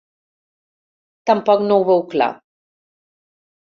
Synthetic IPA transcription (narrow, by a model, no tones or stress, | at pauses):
t̪ampɔknuwβəwkla̰